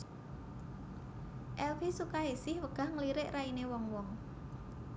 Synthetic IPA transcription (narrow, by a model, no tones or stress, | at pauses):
ʔɛlfisukaesɪhwəɡ̥a̤hŋəliɾɪʔrainewɔŋwɔŋ